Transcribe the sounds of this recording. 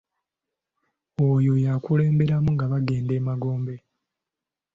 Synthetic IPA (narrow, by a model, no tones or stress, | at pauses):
ojo̞jakule̞ːmbe̞ɾamuŋɡaβaɡe̞ːnde̞ːmaɡo̞ːmbe̞